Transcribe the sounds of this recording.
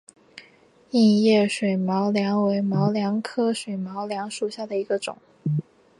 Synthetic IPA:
i˥˧n˧jɛ˥˩ʂwe˨˩ɪmɑ˧˥ʊljɑ˧˥ŋwe˧˥ɪmɑ˧˥ʊljɑ˧˥ŋkʰɤ˥ʂwe˨˩ɪmɑ˧˥ʊljɑ˧˥ŋʂu˨˩ɕja˥˩d̪ə˩i˧˥ɡə˧ʈ͡ʂʊ̰˨˩˦ŋ

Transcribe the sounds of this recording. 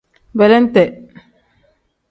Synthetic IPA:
bɛ˨lɛ˦nt̪ɛ

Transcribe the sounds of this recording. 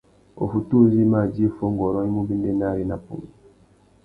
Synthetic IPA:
o̰˨fu˨tu˦zi˦ma˦˨d͡ʒi˦fo˦ŋ˨ɡɔ˨ɾɔ̃˦i˦mu˦bi˦ndɛ˦na˦ɾi˦na˨pːṵ˨ŋ

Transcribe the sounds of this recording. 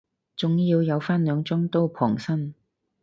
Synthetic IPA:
t͡sʊ˨ŋjiː˧wjɐ˨˧wfaː˥nlœː˨˧ŋt͡sʊ˥ŋt̪o˥wpʰɔ̰ː˨˩ŋsɐ˥n

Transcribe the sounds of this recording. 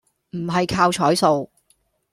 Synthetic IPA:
m̩˨˩ɦɐ˨jkʰaː˧wt͡ʃʰɔː˨˥jso˨w

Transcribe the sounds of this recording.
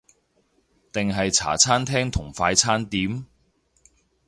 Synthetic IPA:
t̪ɪ˨ŋɦɐ˨jt͡sʰa̰ː˨˩t͡sʰaː˥nt̪ʰɛː˥ŋt̪ʰʊ˨˩ŋfaː˧jt͡sʰaː˥nt̪iː˨˥m

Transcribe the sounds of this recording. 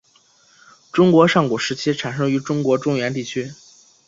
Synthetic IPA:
ʈ͡ʂʊ˥ŋkwɔ˧˥ʂɑ˥˩ŋku˨˩ʂɻ̩˧˥t͡ɕʰi˥ʈ͡ʂʰa˨˩nʂɤ˥ŋy˧˥ʈ͡ʂʊ˥ŋkwɔ˧˥ʈ͡ʂʊ˥˧ŋɥɛ˧˥nt̪̬i˥˩t͡ɕʰy˥

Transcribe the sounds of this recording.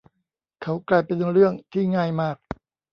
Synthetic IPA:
kʰa˦˥wklaː˧jpe˧nɾɯ˥˩əŋt̪ʰiː˥˩ŋaː˥˩jmaː˥˩k̚

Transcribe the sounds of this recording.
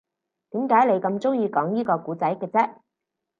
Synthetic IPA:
t̪iː˨˥mkaː˨˥jle˨˧jkɐ˧mt͡sʊ˥ŋjiː˧kɔː˨˥ŋjiː˥kɔː˧kuː˨˥t͡sɐ˨˥jkɛː˧t͡sɛː˥

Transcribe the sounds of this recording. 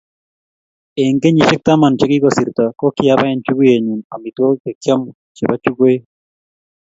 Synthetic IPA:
e˨ŋɡe˦ɲi˨t͡ʃɪ˦k̚t̪a˦ma˨nt͡ʃe˦ki˦kɔ˨si˨ɾt̪a˨kɔ˦kɪ˨ja˦ba˦ɛ˨nt͡ʃu˦ɡu˦je˨ɲu˨na˨mi˨t̪o˦kɛ˨kja˦mu˨ | t͡ʃɛ˨ba˦t͡ʃu˦ɡo˦je˦

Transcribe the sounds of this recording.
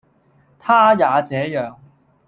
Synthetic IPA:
t̪ʰaː˥jaː˨˧t͡sɛː˨˧˥jœː˨˧ŋ

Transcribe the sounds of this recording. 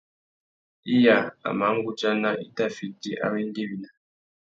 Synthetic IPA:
i˦ja˨a̰˨ma˨˦ŋ̩˦ɡu˦t͡ʃa˦na˦i˦ta˦fi˨ti˦ʔa̰˦we˦ŋ˦ɡe˦wi˨na˨

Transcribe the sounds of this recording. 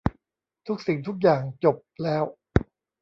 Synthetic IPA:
t̪ʰu˦˥k̚si˨˩ŋt̪ʰu˦˥k̬̚jaː˨˩ŋt͡ɕo˨˩p̚lɛː˦˥w

